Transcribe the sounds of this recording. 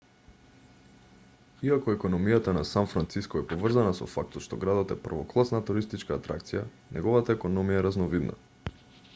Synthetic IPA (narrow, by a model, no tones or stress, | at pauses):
iakɔɛkɔnɔmijat̪anasanfɾant̪siskɔɛpovr̩zanasɔ̰fak̚t̪ɔt̪ʃt̪ɔɡɾad̪ɔt̪ɛpr̩vɔklˠasnat̪uɾist̪it͡ʃkaːt̪ɾa̰kt̪sija | nɛ̰ɡɔvat̪aɛkɔnɔmijaɛɾaznɔvid̪na̰